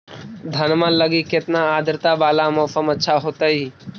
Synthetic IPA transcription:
d̪ʱənmə̃nləɡikɪt̪naaːd̪ʱɾt̪abaːlamoːsəmətːʃʰaɦoːt̪aɦi

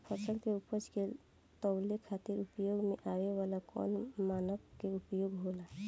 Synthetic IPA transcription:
pʰəsəkkeupət͡ʃke | t̪ɔwlekʰat̪iɾupjoɡmeʔawewalakɔ̰nmanəʋkeupjoɡɦola

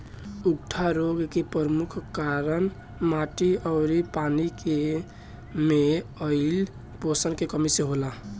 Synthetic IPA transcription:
uɡʈʰaɾoɡkepəɾmukʰkaɾən | maʈiəʊɾipanike | meəɪl | posənkekəmiseɦola

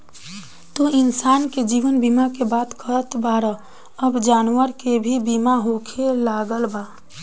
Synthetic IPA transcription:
t̪uɪnsaːnked͡ʒiːʋənbiːmakebaːt̪kəɾət̪baːɾə | əbd͡ʒaːnwəɾkebʱibiːmaɦokʰelaːɡəlbaː

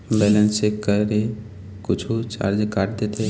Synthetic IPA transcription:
bɛːlənsekəɾɾe | kʊt͡ʃʰut͡ʃa̰ːɾd͡ʒekaʈd̪et̪e

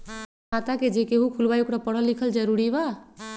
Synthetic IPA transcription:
at̪aked͡ʒekeɦũkʰulbajukɾapəɽ̤əlːikʰəld͡ʒəɾuɾiba

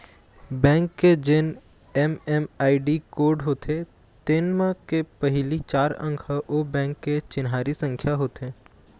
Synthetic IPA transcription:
bɛ̃ːŋkːed͡ʒɪn | ɛmɛmaːiɖikoːɾɖɦoːt̪ʰe | t̪enmãkepəɦɪlit͡ʃaːɾə̰̃ŋɡʱɦəʔobɛ̃ːŋkːet͡ʃɪnɦaːɾisə̃ŋkʰjaɦoːt̪ẽː

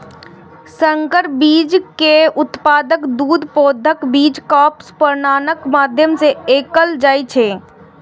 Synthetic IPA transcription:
səŋkəɾbiːd͡ʒkeʊt̪paːd̪əkd̪uːd̪ʱpoːd̪ʱəkbiːd͡ʒkɔːpspəɾnaːnəkmaːd̪ʱjəmseeːkəld͡ʒaːjt͡ʃʰeː

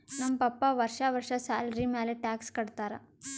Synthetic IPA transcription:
nɐmpɐpːaʋɐɾʂaʋɐɾʂɐsaːlɐɾimeːleʈaːkskɐɽt̪aːɾɐ̰

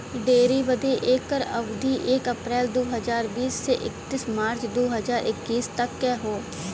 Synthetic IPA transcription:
ɖeːɾibəd̪eʔeːkːəɾɐʋd̪iʔeːkəpɾɛːld̪oːɦəzaːɾbiːsːeʔɪ̰kt̪ɪsmaːɾt͡ʃd̪oːɦəzaːɾʔɪkːiːst̪ɐkːɛːɦoː

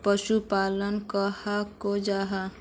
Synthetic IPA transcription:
pəʃupalənkəhakod͡ʒaɦa

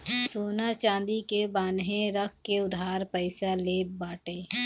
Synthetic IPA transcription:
soːnat͡ʃãːnd̪ikebaːnɦẽɾək̚ʰkeʊd̪ʱaːɾpəɪsaleːbaːʈeː

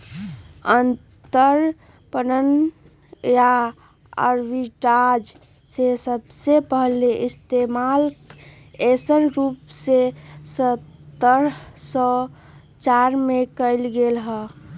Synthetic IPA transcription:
ən | t̪əɾ | pənən | ja | ə̰ɾʋiʈad͡ʒ | sesəbsepəɦleʔɪst̪emal | esənɾupsesətt̪ːəɾsɔ | t͡ʃaɾmekəɪlɡelɦə

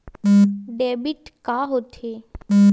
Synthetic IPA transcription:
ɖeːbiʈkaɦot̪ʰe

